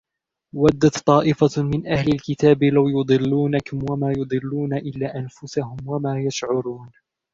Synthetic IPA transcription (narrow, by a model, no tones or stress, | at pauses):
wad̪ːat̪t̪ˤːɑːʔɪfamɪnʔahlalkɪt̪aːbɪlawjʊd̪ˤɨlːuːnakʊmwamaːjʊd̪ˤɨlːuːnaʔɪlːaːʔanfʊsahʊmwamaːjaʃʕʊɾuːn